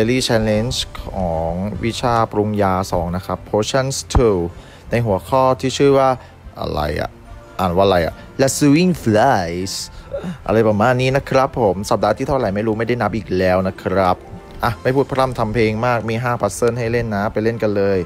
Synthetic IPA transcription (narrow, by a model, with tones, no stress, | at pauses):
de˧liː˥˩t͡ɕʰɛ˧˥le˧nskʰɔː˩˦ŋwi˦˥t͡ɕʰaː˧pɾu˧ŋjaː˧sɔ̰ː˩˦ŋna˦˥kʰɾa˦˥pʰːoː˦˥t͡ɕʰa˥˩nst̪ʰuː˧˩ | na˧jɦu˩˦ɐkʰɔː˥˩t̪ʰiː˥˩t͡ɕʰɯː˥˩waː˥˩ | ʔa̰˧ɾa̰˧jʔa̰˨˩ʔ | ʔa̰ː˨˩nwaː˧ʔɾa˧jʔa̰˨˩ʔ | lɛ˦˥suː˧wi˥˩ŋfla˦˩jsʔa̰˧ɾa˧jpa˨˩maː˧nːiː˦˥na˦˥kʰɾa˦˥pʰːo˩˦msa˨˩p̚daː˧iː˥˩aː˥˩˨ɾa˨˩jma˥˩jɾuː˦ma˥˩jda˥˩jna˦˥p̚ʔiː˨˩k̚lɛː˦˥wna˦˥kʰɾa˦˥p̚ | ʔa˧˩ma˥˩jpʰu˥˩t̪̚pʰa˧ɾa˥˩mt̪ʰa˧mpʰeː˧ŋmaː˥˩k̚miː˧ɦaː˥˩pʰa˦˥t̪̚sɤː˥˩˨nɦa˥˩jle˥˩nːa˦˥pa˧jle˥˩nka˧nlɤː˧j